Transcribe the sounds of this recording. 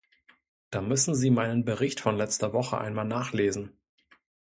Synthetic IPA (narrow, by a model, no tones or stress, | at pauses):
d̥aːmʏsn̩ziːmaɪnənbəʁɪçtfɔnlɛt͡stɐvɔχə̰ʔa̰ɪnmaːlnaːχleːzn̩